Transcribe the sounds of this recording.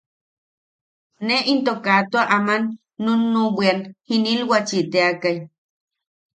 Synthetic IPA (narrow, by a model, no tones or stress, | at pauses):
neint̪okat̪oaʔamanː | onːubianhinilwat͡ʃit̪eakaj